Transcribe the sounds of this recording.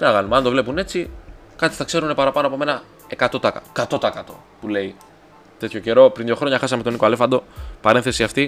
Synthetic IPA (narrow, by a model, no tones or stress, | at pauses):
t̪enɐɣɐnumeɐnd̪o̞vle̞pune̞t͡si | kɐt̪i̥θɐkse̞ɾune̞pɐɾɐpɐnoɐpo̞me̞nɐ | e̞kɐt̪o̞t̪ɐkɐt̪o̞t̪ɐekɐt̪o̞̰ | pule̞i | t̪e̞t̪ʰço̞ce̞ɾo̞pɾinðʝo̞xɾo̞ɲɐxɐsɐme̞t̪o̞nikoɐle̞fɐnd̪o̞pɐɾe̞nθe̞siɐft̪i